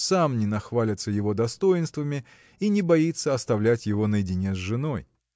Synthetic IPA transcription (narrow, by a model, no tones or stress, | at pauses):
samnʲɪnɐxvalʲɪt̪səjɪvo̞d̪ɐst̪o̞jɪnst̪vəmʲɪ | inʲɪbɐit̪səɐst̪ɐvlʲætʲjɪvo̞nəjɪdʲɪnʲezʐɨno̞j